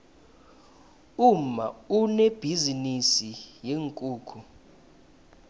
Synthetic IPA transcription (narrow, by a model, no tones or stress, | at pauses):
um̩mauneb̥ʱizinisijeŋkʼuːkʰu